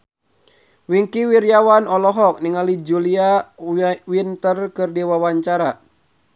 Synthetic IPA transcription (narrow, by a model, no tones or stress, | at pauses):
wiŋkiwiɾjawanɔlɔɦɔk̚niŋalid͡ʒulia | wint̪ərkɨrdiwawaɲt͡ʃaɾa